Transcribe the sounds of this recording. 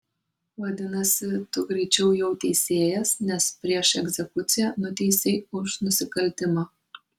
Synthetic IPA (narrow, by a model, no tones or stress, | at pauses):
ʋɐd̪ʲɪnɐsʲɪt̪ʊɡɾʲɛɪt͡ʃʲɛʊjɛʊt̪ʲɛɪsʲeːjɛsnʲɛspʲɾʲiɛʃɛɡzʲɛkʊt̪sʲɪjɛnʊt̪ʲɛsʲeɪʊʃnʊsʲɪkɐlʲt̪ʲɪmɑː